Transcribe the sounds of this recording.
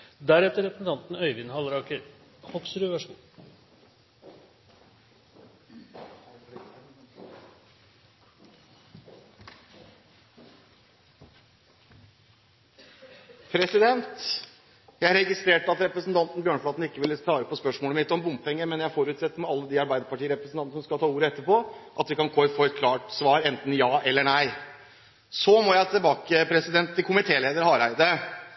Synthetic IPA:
d̪æɾɛt̪ːəɾɛpɾəsn̩t̪ɑnt̪n̩œʏʋɪnhɑlɾɑkəhɔksɾʉːʋæʂṵː | pʰɾɛsɪd̪ɛnt̪ | jæɪɾɛɡɪst̪ɾeːʈɑt̪ɾɛpɾəsnt̪ʰɑnt̪nbjøːɳfɭɑːt̪n̩ɪkːəʋɪlːət̪ʰɑːəpʰɔspœʂmoːləmɪt̪ːəɔmbʊmpɛŋːəmɛnjææfɔɾʉːt̪sɛt̪ːəɾmɛɑlːəd̪iːɑɾbæɪd̪əpɑʈiːəɾɛpɾəsn̩ɑnəsɔmskɑt̪ʰɑːuːɾəɛt̪ːəpɔʔɑt̪ʋɪkɑnkoːɛfoːɛt̪̚kʰlɑːʈsʋɑːɾɛnt̪n̩jɑːʔɛlːəɳæɪ | sɔmɔjæɪt̪ʰɪlbɑːkəpʰɾɛsɪd̪ɛnt̪ʰːɪlkʰʊmɪt̪ʰeːleːd̪əɾhɑːɾæɪd̪ə

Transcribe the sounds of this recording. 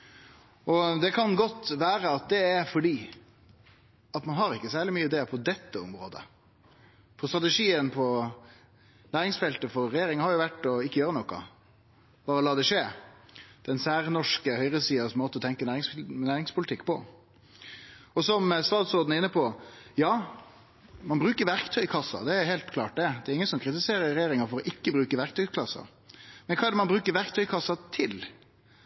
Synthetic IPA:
ɔd̪ɛkʰɑnɡɔt̪ːʋæːɾəɑt̪̚d̪ɛæɾfɔɖiː | ɑt̪mɑnɦɑɾɪkːəsæːɾɭɪmyːɪd̪eːpʰɔd̪ɛt̪ːəɔ̰mɾo̰ːd̪ə̰ | pʰɔst̪ɾɑt̪ɛʂiːənpʰɔ | næːɾɪŋsfɛlt̪əfɔɾɾɛjeːɾɪŋɑhɑɾjʊʋæʈːɔɪkːəjøːɾənɔkɑ̰ | b̥ɑːɾəlɑːd̪ɛʂeː | d̪̥ɛnsæːɾnɔʂkəhœʏʁəsiːɑsmoːt̪əɔt̪ʰɛŋkənæːɾɪŋsnæːɾɪŋspʰʊlɪt̪ɪkːpɔ | ɔsɔmst̪ɑːt̪sɔɾd̪nəɪnːəpʰɔjɑː | mɑnbɾʉːkəɾʋæɾkt̪ʰœʏkʰɑsːɑ̰d̪ɛæhɛːlt̪kʰlɑ̰ːʈ̚d̪ɛd̪ɛæɾɪŋːənsɔmkʰɾɪt̪ɪseːɾəɾːɛjeːɾɪŋɑfɔɾɔʔɪkːəbɾʉːkəʋæɾkt̪ʰœʏkʰlɑsːɑ̰ | mɛnkʰɑːɛɖəmɑnbɾʉːkəɾʋæɾkt̪ʰœʏkʰɑsːɑt̪ʰɪl

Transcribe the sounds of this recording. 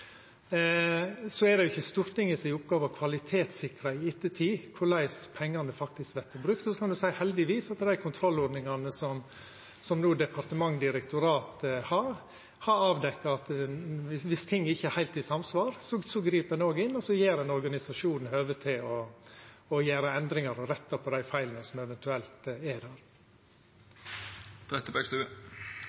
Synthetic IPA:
sɔɛd̪ɛjʊɪçːəst̪uːɾt̪ɪŋəsɪɪʊpɡɑːʋɑkʰʋɑlɪt̪ʰeːt̪sɪkɾɑɪɪt̪ːət̪ʰiːkʰʊɾlæɪspʰɛŋːɑnd̪ɛfɑk̚t̪ɪskʋɛt̪ʰːəbɾʉkt̪ɔsɔkʰɑnd̪ʉsæɪhɛld̪ɪʋiːsɑt̪d̪æɪkʰʊnt̪ʰɾɔlɔɾd̪nɪŋɑnəsɔm | sɔmnuːd̪ɛpʰɑɾt̪əmɑŋd̪ɪɾɛkt̪ʊɾɑːt̪hɑɾ | hɑɾɑːʋd̪ɛkːɑɑt̪ | ʋɪst̪ʰɪŋːɪçːəɛhæɪt̪ɪsɑmsʋɑːɾsɔsɔɡɾiːpɛnoːɡɪnːɔsɔjeːɾɛnɔɾɡɑnɪsɑʂuːnn̩høːʋət̪ʰɪlɔ | ɔjæːɾəɛnd̪ɾɪŋɑɾɔɾɛt̪ːɑpʰɔd̪æɪfæɪlənəsɔmɛʋɛnt̪ʉɛlt̪ɛd̪æɾ | t̪ʰɾɛt̪əbøːkst̪ʉːə

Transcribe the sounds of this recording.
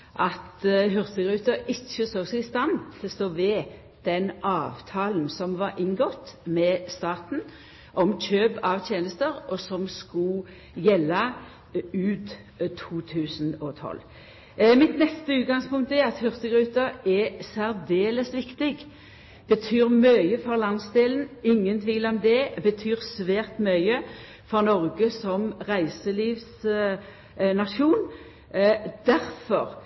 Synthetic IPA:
ʔɑt̪ɦʏʁt̪əɡʁʉːt̪əɪçːəsoːsɛɪst̪ɑnt̪ʰɪlst̪oːʋɛ | d̪̥ɛnʔɑːʋt̪ʰɑːln̩sɔmʋɑɾʔɪŋɡɔt̪ːmɛst̪ɑːt̪n̩ | ʔɔmc͡çøːbɑʋt̪ʰjeːnəst̪əɾɔsɔmskʊ | jɛlːə | ʉːd̪ | t̪ʰuːt̪ʰʉːsn̩ɔt̪ʰɔ̰l | mɪt̪nɛst̪əʉːt̪̚ɡɑŋspʊŋk̚t̪ɛɑt̪hʏʁst̪əɡʁʉːt̪ɑɛsæɾd̪eːləsʋɪkt̪ɪɡ | b̥ət̪ʰyːʁmœʏəfɔʁlɑnsd̪eːlən̩ɪŋːənt̪ʰʋiːlɔmd̪ɛbət̪ʰyːʁsʋæːʁt̪mœʏə | fɔʁnɔʁɡəsɔmʁæɪsəliːʋs | nɑʃuːn | d̪̥æɾfɔʁ

